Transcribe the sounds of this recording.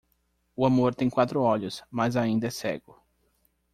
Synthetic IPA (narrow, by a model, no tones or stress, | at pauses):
ʊamoɾt̪ẽj̃kwat̪ɾʊɔʎʊsmazaĩnd̪ɐɛsɛ̰ɡʊ